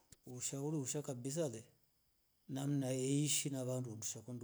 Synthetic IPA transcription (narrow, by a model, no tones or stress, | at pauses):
uʃauɾiuʃakabis̬alɛ | nam̩naɛiʃinaβanduunduʃakund